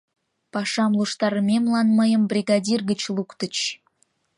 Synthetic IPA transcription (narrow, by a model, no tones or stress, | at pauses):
pɑʃɑmlˠuʃt̪ɑɾəmʲemlˠɑnməjə̆mbrʲiɡɑdʲirɡət͡ɕlˠukt̪ə̆t͡ɕ